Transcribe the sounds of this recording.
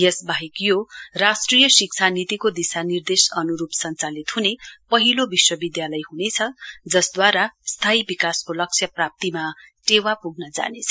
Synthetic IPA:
esbaɦikjorasʈrijʌsikt͡sʰanit̪ikod̪isanird̪esʌnuɾupsʌnt͡salit̪ɦunepʌɦilobiswʌbid̪jalʌjɦunet͡sʰʌd͡zʌsd̪waɾast̪ʰaibikaskolʌk̚t͡sʰjʌprap̚t̪imaʈewapuɡnʌd͡za̰net͡sʰʌ̥

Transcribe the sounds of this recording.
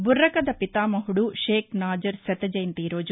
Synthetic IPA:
burːɐkɐd̪ɐpit̪aːmɐɦuɽuʃeːknaːd͡ʒɐɾsɛt̪ɐd͡ʒɐjnt̪iːɾoːd͡ʒ

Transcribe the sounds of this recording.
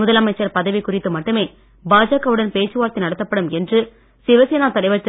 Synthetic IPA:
ʊðɐlɐmɐɪt͡ʃːɐɾpɐðɐʋɪkːʊrɪt̪ːɯmɐʈːɯmeː | baːd͡ʒaːkɐʋɯɽɐnpeːt͡ʃːɯʋaːɾt̪ːɪnɐɽɐt̪ːɐpːɐɽɯmɛndrɯ | sɪʋɐsɪjɐnaːt̪ɐɽɐɪʋɐɭt̪

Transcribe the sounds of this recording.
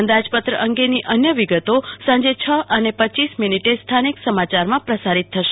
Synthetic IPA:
ənd̪ad͡ʒpət̪ɾəʔəŋɡeniʔənjəʋiɡət̪osãɲd͡ʒet͡ʃʰəʔənepətːt͡ʃisminiʈest̪ʰaniksəmat͡ʃaɾmãpɾəsaɾit̪ʰːəʃe

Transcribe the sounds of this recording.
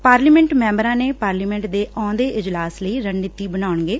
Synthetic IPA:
paːɾliːmɛ̃ɳʈmɛ̃ːmbəɾãːneːpaːɾliːmɛ̃ːɳʈd̪eːʔɔ̃ːd̪eːʔɪd͡ʒlaːsləiːɾəɳːɪt̪ːiːbənaːʊɳɡeː

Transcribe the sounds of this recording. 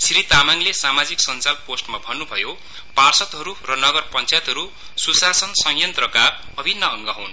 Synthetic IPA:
sɾit̪amaŋlesamad͡ziksʌnt͡salposʈmabʱʌnːubʱʌjo | parsʌt̪ɦʌɾurʌnʌɡʌrpʌnt͡sajt̪ɦʌɾu | susasʌnsʌŋjʌnt̪rʌkabʌbʱinːʌːŋɡʌɦun

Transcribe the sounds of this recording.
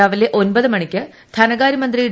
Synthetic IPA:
aːʋileʔo̞nbɐðɨmɐɳikʲːɨ | t̪ʰɐnɐɡaːɾimɐnd̪rijɽ

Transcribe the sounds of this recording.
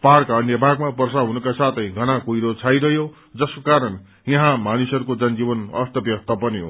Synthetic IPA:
paɽkaʌnjʌbʱaɡmapʌrsaɦunukasat̪ʰʌj̃ɡʱʌnakujɾot͡sʰajɾʌɦjo | d͡zʌskokaɾʌn | jʌɦãmanusʌɾukod͡zʌnd͡zibʌnʌ̰st̪ʰʌbjʌk̚t̪ʰʌpʌniɦo̰

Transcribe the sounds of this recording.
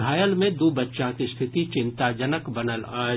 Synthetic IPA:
aːjəlmẽd̪oːbətːʃãkist̪ʰɪt̪it͡ʃɪ̃nt̪ad͡ʒənəkbənəlaː

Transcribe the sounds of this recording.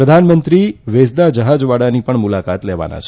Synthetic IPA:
ɾəd̪ʱanmənt̪ɾiʋesd̪ad͡ʒəɦad͡ʒʋaɽanipəɳmulakat̪lɛʋa̰na̰t͡ʃʰ

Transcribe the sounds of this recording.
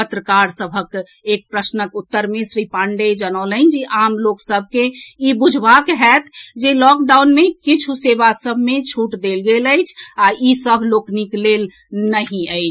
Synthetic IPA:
pət̪ɾəkaɾsəbʱək | ek̚pɾəsnəkut̪ːəɾmesɾipãɳɖed͡ʒənələnd͡ʒiʔaːmloksəb̚ʱkeibud͡ʒʱʋakɦɛt̪ʰd͡ʒelɔk̚ɖawnmekit͡ʃʰusebasəbʱmet͡ʃʰuʈd̪elɡeləɪt͡ʃʰaisəbʱlokniklel | nəɦĩəɪt͡ʃʰ

